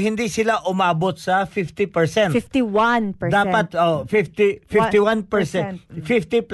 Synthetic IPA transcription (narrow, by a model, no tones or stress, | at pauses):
hɪnd̪isɪlaʔʊmaːbot̪̚sɐfift̪ɪpɛɹsɛnfiwand̪aːppɐt̪̚ofift̪ifift̪ɪwanpɛɹsɛfift̪ip